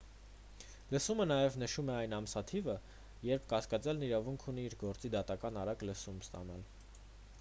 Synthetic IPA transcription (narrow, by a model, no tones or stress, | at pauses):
ləsumənɑjɛvnəʃumɛɑjn̪ɑmsɑt̪ʰivə | jɛɾp̚ʰkɑskɑt͡sɛlniɾɑvuŋkʰun̪iiɾɡɔɾt͡sid̪ɑt̪ɑkɑnɑɾɑkləsumst̪ɑ̰nɑl